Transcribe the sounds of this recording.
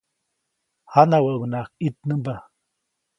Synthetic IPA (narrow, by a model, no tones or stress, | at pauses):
hanawəʔwnakit̪̚nəmba